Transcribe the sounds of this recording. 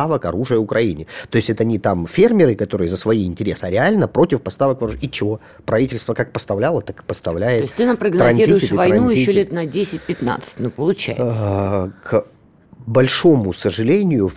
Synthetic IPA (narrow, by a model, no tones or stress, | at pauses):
avəkɐɾuʐɨjəʊkɾɐinʲɪt̪o̞ɪsʲtʲɛt̪ɐnʲit̪amfʲe̞rmʲɪɾɨkɐt̪o̞ɾɨjəzəsvɐiɪnʲtʲɪɾʲesɨɾʲɪalʲnəpɾo̞tʲɪfpɐst̪avəkvɐɾuʐɨit͡ɕɪvo | pɾɐvitʲɪlʲst̪vəkak̚pəst̪ɐvlʲalˠət̪akpəst̪ɐvlʲæjɪtosʲt̪ɨnɐpɾəɡnt̪ɾɐnziɾʲzʲiʊjɪɪɪvɐɾɐnujɪiɕːolʲet̪nɐdʲesʲɪt̚ʲpʲɪt̪na̰t̪sɨ̥t̚ʲnupəlˠʊt͡ɕæ̰jɪsk | bɐlʲʂo̞mʊsəʐɨlʲenʲɪjʊ